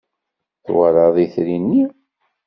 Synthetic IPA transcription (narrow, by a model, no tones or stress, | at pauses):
θwəɾˤɑðˤiθɾinːi